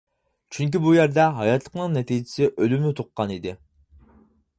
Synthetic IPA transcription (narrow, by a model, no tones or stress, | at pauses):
t͡ʃʰyŋk̬ʲibujæɾd̪ɛɦɑjɑt̪lˠə̥qnɨŋnɛt̪ʰid͡ʒɪ̥sɪʔølymɪt̪ʰoqːɑnid̪ɪ